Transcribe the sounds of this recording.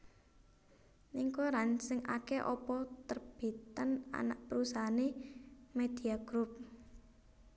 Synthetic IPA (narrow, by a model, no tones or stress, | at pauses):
niŋkoɾansɪŋʔa̰keʔɔ̰pɔt̪ərb̥i̤t̪ana̰naʔpəɾusaɦanemed̪̥i̤aɡ̥ɾup̚